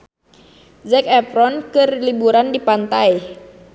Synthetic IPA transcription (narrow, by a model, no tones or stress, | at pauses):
zɛkɛpɾɔnkɨrlibuɾandipant̪aj